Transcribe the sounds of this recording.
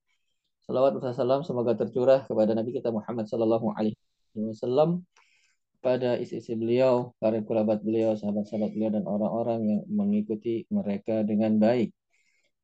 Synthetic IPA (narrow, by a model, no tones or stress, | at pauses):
sɔlawat̪̚ursasalamsəmoɡat̪ərt͡ʃuɾahkəpadanabikit̪amuħamːat̪̚sɔlalːaɦuʔa̰la | iwasalːam | padaʔisiːsibəliawkaɾɪŋkulabat̪̚bəliawsaɦabat̪saɦabat̪̚bəliawdanoɾaŋoɾaŋjaŋməŋikut̪iməɾekadəŋanbaɪk̚